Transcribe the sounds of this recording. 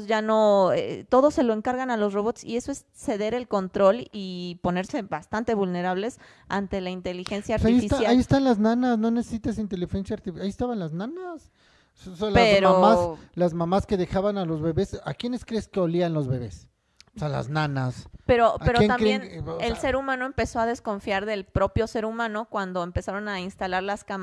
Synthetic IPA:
ʝano̞ḛt̪o̞ðo̞se̞lo̞eŋkaɾɣanalo̞sro̞β̞o̞t̪sḭe̞so̞es | se̞ðe̞ɾe̞lko̞nt̪ɾo̞lipo̞ne̞ɾse̞βast̪ant̪eβulne̞ɾaβ̞le̞s | ant̪e̞laint̪e̞lixe̞nsjaːɾtaiiefisajaaiest̪anlaznãnasno̞nesesit̪asint̪e̞lixensjaɾt̪ifaiest̪aβanlaznanas | osalaemmamaslazmãmaske̞ðe̞xaβanalo̞zβe̞βe̞sa̰kje̞neskɾeskeolianlo̞zβe̞βe̞s | oseala̰znãnaspeɾoae̞ɾojet̪amkɾejenelse̞ɾumãno̞empeso̞aðe̞sko̞ɱfjaɾðe̞lpɾo̞pjo̞se̞ɾumãno̞kwand̪o̞empe̞saɾo̞nainst̪alaɾlaskam

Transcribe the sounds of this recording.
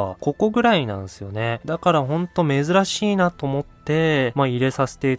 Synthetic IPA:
ko̞ko̞ɡɯ̟ɾainã̰ɰ̃sɨjo̞ne̞d̪akaɾahõ̞nt̪o̞me̞zɨɾaɕiːnat̪o̞ːmo̞tt̪ːe̞maiɾe̞sase̞̥t̪e̞i

